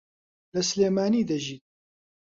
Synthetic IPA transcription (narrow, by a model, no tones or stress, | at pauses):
lɐsleːmaːniːd̪ɐʒiː